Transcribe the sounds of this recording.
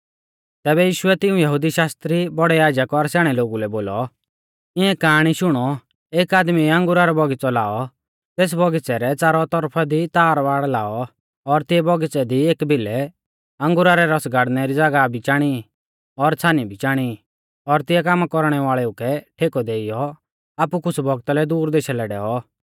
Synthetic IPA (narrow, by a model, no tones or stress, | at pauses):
t̪ɛːbɛjiːʃʊɛt̪ɪũjɐɦud̪iʃaːst̪ɾibɔɽɛjaːd͡ʒakɔɾsɛːɽ̃ɛloːɡulɛboːlɔ | ɪɛ̃kaːɽ̃iʃʊɽ̃ɔ | eːkaːd̪miɐ̃ŋɡʊɾaɾɔbʱɔɡɪt͡sɔla̰ːɔ | t̪eːs̬bʱɔɡɪt͡sɛɾɛt͡saːɾɔt̪ɔɾpʰad̪it̪aːɾʋaːɽlaːɔ | ɔɾt̪ɪjɛbʱɔɡɪt͡sɛd̪ieːkbʱɪlɛ | ɐ̃ŋɡʊɾaɾɛɾɔsɡaɽnɛɾid͡zaɡabʱit͡ʃaːɽ̃i | ɔɾt͡sʰaːnibʱit͡ʃaːɽ̃i | ɔɾt̪ɪjɛkaːmakɔɾɽ̃ɛʋaːɭɛukɛʈʰeːkɔd̪eːijɔ | aːpukʊt͡sʰbʱɔɡt̪alɛd̪uːɾd̪eːʃalɛɖɛːɔ